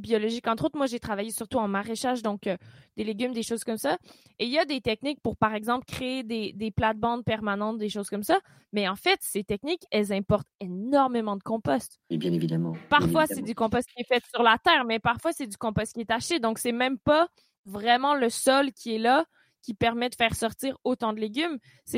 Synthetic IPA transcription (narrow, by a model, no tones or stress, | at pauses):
biɔlɔʒikɑ̃t̪χot̪χmwaʒet̪χavajesyʁt̪uɑ̃maʁeʃaʒd̪ɔ̃kød̪̥eleɡʲymd̪eʃoz̥kɔmsa | eiljad̪et̪ɛk̚nik̚puʁpaʁɛɡzɑ̃plkχeed̪ed̪eplad̪̚bɑ̃d̪̚pɛʁmanɑ̃t̪̚d̪eʃoz̥kɔmsa | mɛɑ̃fɛt̪set̪ɛk̚nikɛlzɛ̃pɔʁt̪enɔʁmemɑ̃d̪əkɔ̃pɔst̪bjɛ̃nevid̪amɑ̰̃paʁfwasɛd̪ykɔ̃pɔst̪̚kʲiɛfɛt̪syʁlat̪ɛːʁmɛpaʁfwasɛd̪ykɔ̃pɔst̪̚kʲiɛt̪aʃted̪ɔ̃ksɛmɛ̃mpa | vʁɛmɑ̃ləsɔlkʲʰiɛla | kʲipɛʁmɛd̪əfɛːʁsɔʁt̪iːʁot̪ɑ̃d̪əleɡʲym | sɛ